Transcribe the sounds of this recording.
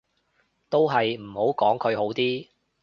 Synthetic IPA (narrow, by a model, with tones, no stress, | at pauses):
t̪o˥wɦɐ˨jm̩˨˩ho˨˥wkɔː˨˥ŋkʰɵ˨˧ɥɦo˨˥wt̪iː˥